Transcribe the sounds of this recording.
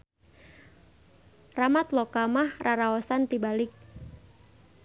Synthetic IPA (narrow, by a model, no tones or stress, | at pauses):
ramat̪lɔkamahraɾaɔsant̪ibalɪk̚